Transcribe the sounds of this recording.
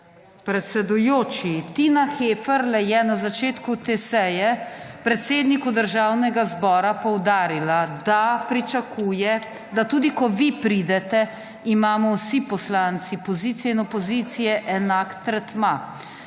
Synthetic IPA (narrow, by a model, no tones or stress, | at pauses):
pɾɛt̪sɛd̪ujoːt͡ʃit̪inaxeːfəɾlɛjɛnazat͡ʃeːt̪kut̪eːsɛjɛ | pɾɛt̪seːd̪nikud̪əɾʒaːwnɛɡazbɔːɾapɔwd̪aːɾilad̪apɾit͡ʃakuːjɛ | d̪at̪uːd̪ikɔʋipɾid̪ɛt̪ɛ | imaːmɔwsipɔslant̪sipɔziːt̪sijɛinɔpɔziːt̪sijɛʔɛnakt̪ɾɛt̪ma